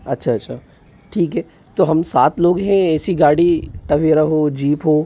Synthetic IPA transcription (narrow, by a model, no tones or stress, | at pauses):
ɐtːʃʰaɐtːʃʰa | ʈʰiːkɦɛː | t̪oɦɐmsaːt̪loːɡɦɛ̃ɛːsiɡaːɽiʈɐʋiɾɐɦod͡ʒiːpɦoː